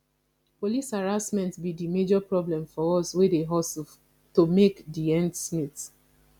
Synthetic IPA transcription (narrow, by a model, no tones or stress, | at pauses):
polisaɹasmɛ̃ntbidimed͡ʒɔpɹɔblɛ̃mfɔɔswedeɦɔs | tomekdiɛ̃ndsmit